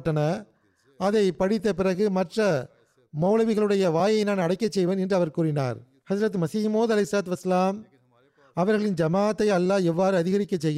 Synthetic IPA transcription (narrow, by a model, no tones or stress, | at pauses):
ʈːɐnɐ | ɐðɐɪpɐɽɪt̪ːɐpɪrɐɣɯmɐʈrɐ | mɐʊlɐʋɪɣɐɭɯɽɐjɐʋaːjɐɪnaːnɐɽɐɪkːɐt͡ʃːɛjʋɐnɛndrɯɐʋɐɾkuːrɪna̰ːɾ | hɐd͡ʒɐɾɐt̪ːɯmɐsɪmoːðɐlɐɪsaːt̪ʋɐsɐlaːm | ɐʋɐɾɣɐɭɪnd͡ʒɐmaːɐt̪ːɐɪɐlːaːɛʋːaːɾɯɐðɪɣɐɾɪkːɐt͡ʃːɛjːɯ